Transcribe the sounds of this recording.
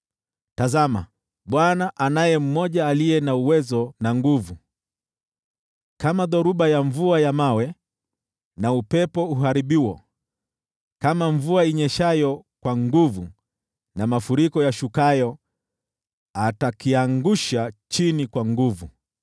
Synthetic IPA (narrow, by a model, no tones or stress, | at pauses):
tazama̰ | ɓwanaʔanajɛm̩mɔʄaːlijɛnauwɛzɔnaŋɡuvu | kamaðɔɾuɓajaɱvuajamawɛ | naupɛpɔuɦaɾiɓiwɔ | kamaɱvuaiɲɛʃajɔkwaŋɡuvu | namafuɾikɔjaʃukajɔ | atakiaŋɡuʃat͡ʃinikwaŋɡuvu